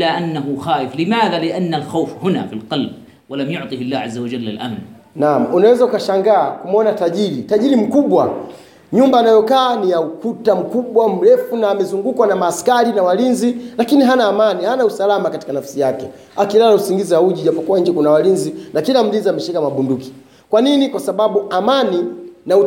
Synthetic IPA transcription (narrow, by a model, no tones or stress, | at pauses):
laʔanːaɦuxaːjɪflɪmaːðalɪʔanːalxawfhʊna̰filqɑlb̚ | walamjʊʕt̪ˤihalːaːhʕazːawad͡ʒalːa̰lʔa̰mn | namunawɛzaukaʃaŋɡaːkumɔnataʄiɾitaʄiɾim̩kuɓwa | ɲumbaːnajɔkaːnijaukutam̩kuɓwam̩ɾɛfunaːmɛzuŋɡukwanamaːskaɾinawalinzilakiniɦanaːmanihanausalamakati̥kanafḁsijakɛ | akilalausiŋɡizɛauʄiʄapɔkuwaɲd͡ʒɛkunawalinzinakilam̩linziamɛʃikamaɓunduki̥ | kwaninikwasaɓaɓuʔamaninau